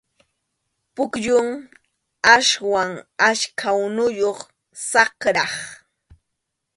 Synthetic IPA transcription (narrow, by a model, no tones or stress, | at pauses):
pʊkʎʊŋ | aʃwaŋaʃkʰawnʊjoχ | sɑkɾɑχ